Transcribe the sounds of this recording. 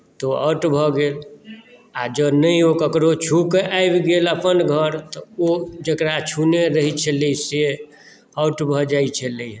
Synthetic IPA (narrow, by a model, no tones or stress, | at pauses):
t̪ɔa̰ʊʈbʱɔɡeːl | ad͡ʒənəiokəkɾot͡ʃʰukaebɡeləpənɡʱəɾt̪ɔod͡ʒəkɾat͡ʃʰuneɾəɦit͡ʃʰɛləise | aʊʈbʱɔd͡ʒait͡ʃʰɛləiɦ